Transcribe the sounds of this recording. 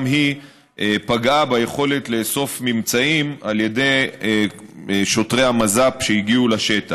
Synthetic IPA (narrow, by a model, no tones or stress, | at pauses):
mɦi | ʔepaɡabajeχo̞le̞t̪le̞so̞fmimt͡saimalje̞de̞j | ʃo̞tʁe̞jhamazapʃeiɡiulaʃe̞t̪a